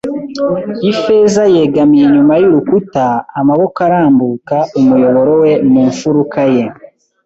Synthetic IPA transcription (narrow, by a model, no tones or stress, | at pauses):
ife̞zaje̞ːɡamijeɲumajuɾukutaːmaβo̞kaɾaːmbuːkaumujo̞βo̞ɾowe̞muːɱfuɾukaje̞